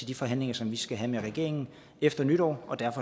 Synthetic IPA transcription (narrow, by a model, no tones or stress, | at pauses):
e̝ld̥ifɒ̽ɦæn̰le̝ŋɐsɒ̽mʋisɡ̥æɦæmeʁɛɡ̥e̝ɐe̝ŋn̩ | efd̥ɐnyɾ̥ɒ̰ːɒ̽d̥æɐfɒ̽